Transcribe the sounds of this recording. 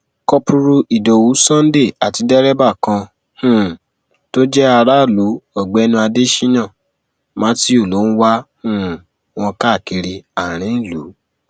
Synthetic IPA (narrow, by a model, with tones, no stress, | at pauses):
kɔ˧pu˧ɾu˧ʔi˨do˨wu˨˦sã˦n˦de˦˨a˨ti˨˧dɛ˦ɾɛ˦ba˦˨kã˧ | hũ˦˨ | to˦d͡ʒɛ˦a˧ɾa˦˨lu˨˦ɔ˨ɡ͡bɛ˨˦nũ˧a˧de˦ʃi˦nã˦˨ | mã˨˦ti˦o˦˨lo˨˦n̩˦wa˦hũ˦˨ | w̃ɔ̃˧ka˦˨ki˧ɾi˧a˨ɾ̃ĩ˨˦˨lṵ˨˦